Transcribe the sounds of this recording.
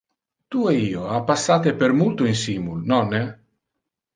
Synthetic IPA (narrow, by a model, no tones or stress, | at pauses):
t̪ueiːoapːasːaːt̪epeɾmult̪uinsimulnɔnːe